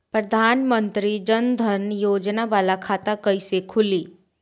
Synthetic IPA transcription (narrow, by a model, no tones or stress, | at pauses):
pɾɐd̪ʱaːnmə̃nt̪ɾid͡ʒənd̪ʱənjoːd͡ʒnaʋaːlakʰaːt̪akɐisekʰʊliː